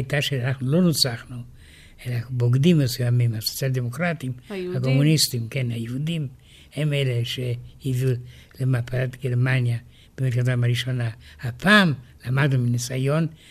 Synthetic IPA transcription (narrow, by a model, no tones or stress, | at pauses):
jt̪aʃelanaχnulonut͡saχnu | elaboɡd̪imasojamimaso̥t͡sjald̪emokɾat̪imhako̞munist̪imkenhajehud̪im | hemeleʃehivu | lemapaat̪ɡeɾmanja | b̥emitkat̪amaɾiʃonahapʰaːmlamad̪numinisajon